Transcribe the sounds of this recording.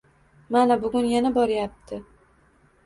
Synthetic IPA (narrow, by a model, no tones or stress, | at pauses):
manabʊɡʲʊnjanabɒɾajap̚t̪ʰɪ